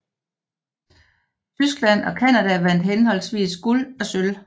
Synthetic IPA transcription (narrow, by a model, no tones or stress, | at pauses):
t͡sʰysɡ̥læn̰ɒ̽kʰænæd̥æʋæn̰d̥ɦenhɒ̽l̰sʋḭːsɡ̥ulɒ̽søl